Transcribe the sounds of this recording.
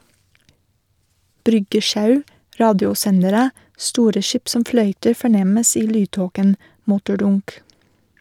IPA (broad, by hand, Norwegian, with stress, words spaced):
ˈbɾʏɡəˌʃɑʉ ˈɾɑːdjʊˌsɛnəɾə ˈstuːɾə ˈʃiːp ˈsɔm ˈflœʏtəɾ fɔˈɳɛməs ˈiː ˈlyːˌtoːkən ˈmʊtʊˌɖʊnk